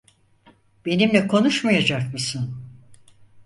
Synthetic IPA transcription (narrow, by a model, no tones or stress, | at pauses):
b̥e̞nimlʲɛkʰo̞nuʃmajad͡ʒakmɯsɯn